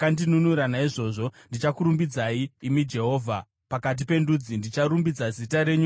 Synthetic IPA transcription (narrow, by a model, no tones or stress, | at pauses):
kandinunuɾanaiʐo̞ːʐo̞ndit͡ʃakuɾumbid͡zaiːmid͡ʒe̞ɦo̞ːvʱa | pakat̬ipe̞ndud͡zindit͡ʃaɾumbid͡zazitaɾe̞ɲu